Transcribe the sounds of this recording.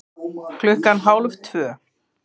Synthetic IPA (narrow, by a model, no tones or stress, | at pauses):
kʰlʏhkanɦawlvt̪ʰvœː